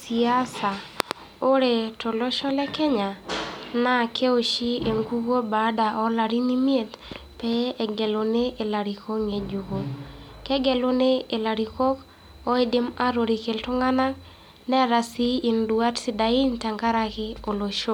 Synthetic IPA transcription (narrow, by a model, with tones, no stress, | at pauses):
si˨a˦sa˨ | o˦ɾe˨to˨lɔ˦ʃɔ˦lɛ˦kɛ˦ɲa˨na˦kʰe˦o˨ʃi˦e˨ŋɡu˦ɡo˦ba˨da˨ʔɔ˦la˨ɾi˦ni˦mje˦˨t | pɛ˦ɛ˨ɡɛ˨lo˨ne˦ʔe˨la˨ɾi˨ko˦ŋe˨d͡ʒu˨ko˨kɛ˦ɡɛ˨lo˦ne˦e˨la˨ɾi˨kɔ˦k | ɔ˦ɪ˦dɪ˦ma˦ɾo˨ɾi˨ke˨ltɔ˦ŋa˦na˦ | nɛ˦ɾa˨si˦i˨ndwa˦tsi˦da˨i˦nta˨ŋɡa˦ɾa˦kɪ˦o˨lo˨ʃo˦